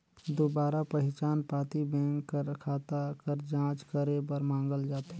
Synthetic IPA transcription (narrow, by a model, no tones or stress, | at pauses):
d̪oːbaːɾapəɦɪt͡ʃaːnpaːt̪ibɛ̃ːŋkːəɾkʰaːt̪akəɾd͡ʒãːt͡ʃkəɾebəɾmãːŋɡəld͡ʒaːt̪ɦɛ